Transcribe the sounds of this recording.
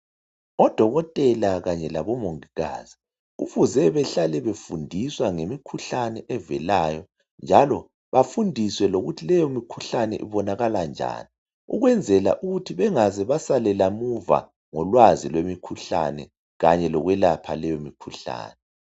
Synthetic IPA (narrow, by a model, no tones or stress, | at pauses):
ɔd̥ʱɔɣɔtʼɛlaɣaɲɛlaβɔmoŋiɣa̰ːzi | uβuzɛβɛɬalɛβefundʱiswaŋemikʰuɬanɛʔɛvɛlaːjɔ | nd͡ʒʱalɔ | βafundʱiswɛloɣutʰilɛjɔmikʰuɬanɛ̰ʔḭβɔnaɣaland͡ʒʱa̰ːni | ṵɣwɛnd͡zʱɛla̰ʔuɣutʰiβɛŋazɛβasalɛlamuva̰ | ŋɔlwazilwemikʰuɬa̰nɛ̰ | ɣaɲɛlɔɣwɛlapʰalɛjomikʰuɬa̰ːnɛ